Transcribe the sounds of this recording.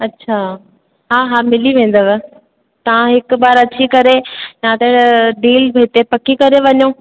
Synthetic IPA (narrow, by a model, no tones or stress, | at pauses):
ɐtːɕʰaː | ɦaːɦaːmɪliʋẽːn̆d̪ɐʋɛ | t̪ɐʋãɦɪkʊbaːɾɐt͡ɕʰikɐɾejãːt̪ɐɽɖiːlbɦɪt̪epɐkikɐɾeʋɐɲõː